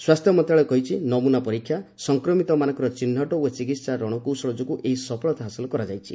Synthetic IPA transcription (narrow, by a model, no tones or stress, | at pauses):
swast̪ʰjɔmɔnt̪ɾaɭɔkɔɦit͡ʃʰinɔmunapɔɾikʰːjasɔŋkɾɔmit̪ɔmanɔ̃ŋkɔɾɔt͡ʃinːɔʈɔot͡ʃikit̪saɾɔɽ̃ɔkusɔɭɔd͡ʒɔkuʔeɦisɔpʰɔɭɔt̪aɦasilɔkɔɾad͡ʒajt͡ʃʰḭ